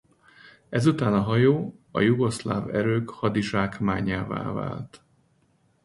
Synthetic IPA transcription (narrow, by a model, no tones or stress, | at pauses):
ɛzut̪aːnɒɦɒjoːɒ̰juɡo̞sla̰ːvɛɾøːkhɒd̪iʒaːkmaːɲaːva̰ːva̰ːlt̪